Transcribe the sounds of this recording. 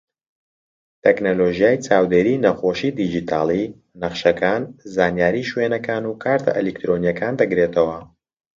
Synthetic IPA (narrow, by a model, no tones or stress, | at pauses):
t̪ʰeknoloʒijaːjt͡saːwd̪eɾiːnɐxoːʃid̪id͡ʒit̪ʰaːlˠi | nɐχʃɐkaːnzaːnjaːɾiːʃwenɐkaːnukʰaːɾt̪ʰɐ̰ʔɛlek̚t̪ɾonijɐkʰaːnd̪ɐɡɾeːt̪ʰɐwɐ